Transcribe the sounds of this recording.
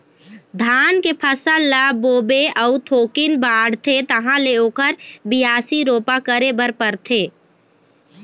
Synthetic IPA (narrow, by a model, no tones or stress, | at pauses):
d̪ʱaːnkepʰəsəlːaboːbeʔəʊt̪ʰoːkɪnbaːɽ̤t̪ʰet̪əɦãleoːkəɾbɪjaːsiɾoːpakəɾebəɾpəɾt̪ʰeː